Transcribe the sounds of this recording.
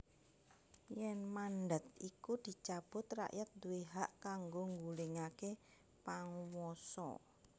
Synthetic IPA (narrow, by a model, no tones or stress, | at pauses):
jɛnmanɖət̪̚ikud̪̥i̤t͡ʃab̥ʊ̤t̪ra̰ʔjat̪̚d̪uweɦaʔkaŋɡoŋɡulɪŋake | paŋwɔsɔ̰